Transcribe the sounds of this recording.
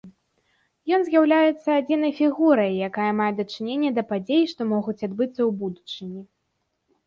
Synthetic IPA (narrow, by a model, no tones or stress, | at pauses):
jɔnzʲjawlʲajɛt̪sːɐad͡zʲinɐjfʲiɣuɾɐjːakajɐmajɛd̪ɐt͡ʂɨnʲenʲːɐd̪ɐpad͡zʲejʂt̪ɔmɔɣut͡sʲad̪bɨt̪sːɐwbud̪ut͡ʂɨnʲi